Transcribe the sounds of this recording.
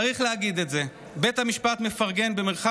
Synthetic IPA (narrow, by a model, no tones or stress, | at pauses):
ʁiχleaɡid̪e̞tze | be̞thamiʃpat̪me̞faʁɡe̞nbemeʁχa